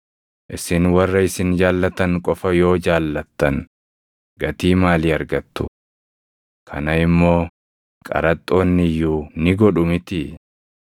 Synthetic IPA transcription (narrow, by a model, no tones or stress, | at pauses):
ʔɪsɪnwɐrːɐɪsɪnd͡ʒaːlːɐt̪ɐŋkʼɔfɐjo̞ːd͡ʒaːlːɐt̪ːɐn | ɡ̥ɐt̪iːmaːlɪɐɾɡɐt̪ːʊ | kʰɐnɐɪmːo̞ː | kʼɐ̰ɾɐt̪ʼːo̞ːnːɪjːuːnɪɡɔᶑʊmɪt̪ɪ